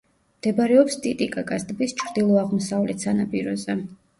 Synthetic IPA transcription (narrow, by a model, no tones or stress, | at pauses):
md̪̥ɛbɾɛɔpst̪ʼit̪ʼikʼaɡʼazd̪bist͡ʃʰɾd̪ilˠɔaʁmɔsavlɛt̪sanapʼiɾɔzɛ